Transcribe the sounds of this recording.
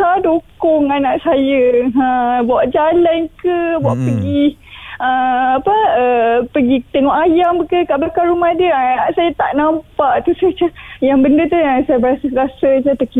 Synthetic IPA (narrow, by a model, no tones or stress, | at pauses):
sadokɔŋanãʔsajəəbawaʔd͡ʒalankəbuaʔpəɡiəapəəpəɡit̪əŋɔhʔajamkəkaʔblakaɾumahdiəaaʔsajat̪aʔnãmpaʔt̪usat͡ʃəjaŋbəndət̪uəsajəbəɾasəɾasəd͡ʒat̪əki